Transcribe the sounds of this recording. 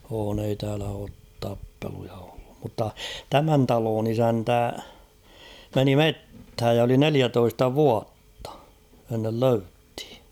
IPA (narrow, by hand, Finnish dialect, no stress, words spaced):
oːn ei tæːlæ oːt tɑpːelujɑ o̥l̥ːu̥m̥ mutːɑ tæmæn tɑloːn isæntæ meni metːhæj jɑ oli neliætoistɑ ʋuɑtːɑ̥ enːel løythi̥